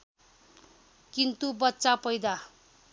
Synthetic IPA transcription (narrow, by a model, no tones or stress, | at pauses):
kint̪ubʌtːsapʌjd̪a